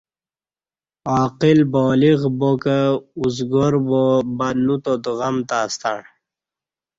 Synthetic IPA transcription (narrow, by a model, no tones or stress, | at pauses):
aːqilboːliɣbokəuzɡoɾbobanut̪od̪ɣɐmt̪aːst̪a̰ɳ